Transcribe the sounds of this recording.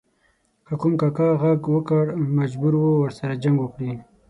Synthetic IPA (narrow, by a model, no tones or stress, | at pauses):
kəkumkakɑɣaɡwəkaɽmad͡ʒbuɾwowəɾsaɾad͡ʒaŋɡwəkɽi